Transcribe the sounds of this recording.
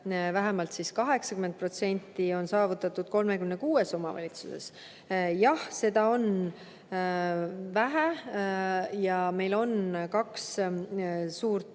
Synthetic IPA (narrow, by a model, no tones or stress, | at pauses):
væɦæmɑlt̪siskɑɦe̞ksɑkymen̚pro̞t̪se̞nʲt̪ːio̞nsɑːvut̪ːˑɑt̪ːˑud̪̥̚ko̞lmekymnekuːe̞so̞mɑvɑ̰lʲit̪suse̞̰s | jɑhse̞d̪̥ɑo̞n | væɦæ | jɑme̞jlo̞nkɑks | suːrt̪